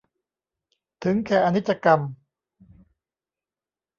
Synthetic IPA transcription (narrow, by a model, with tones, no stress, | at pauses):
t̪ʰɯ˩˦ŋkʰɛː˧˩ʔa˧ni˦˥t̪̚t͡ɕa˧ka˧m